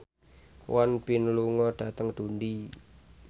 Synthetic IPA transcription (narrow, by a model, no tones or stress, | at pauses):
wanb̥inluŋɔɖ̥a̤t̪əŋd̪̥undi